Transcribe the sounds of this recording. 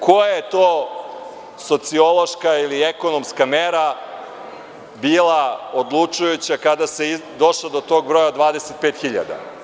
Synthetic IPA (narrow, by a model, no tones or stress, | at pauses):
kʰo̞jajet̪oː | so̞t̪sio̞lo̞ʃkailieko̞no̞mskameɾa | biːlˠaod̪lˠut͡ʃujut͡ɕakad̪aseid̪o̞ʃlod̪o̞t̪o̞ɡbɾo̞jad̪ʋaːd̪e̞set̪̚peːt̪xiʎa̰d̪a̰